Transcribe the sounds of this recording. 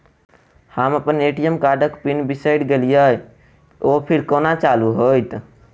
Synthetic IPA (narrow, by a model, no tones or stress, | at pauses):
həməpəneʈijəmkaɖəkpinbisəjɖɡelijəj | opʰiɾkonat͡ʃaluɦojt̪